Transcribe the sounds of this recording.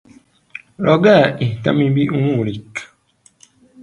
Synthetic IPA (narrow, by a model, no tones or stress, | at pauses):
lʔɔɡaita̰mibiʔuŋulik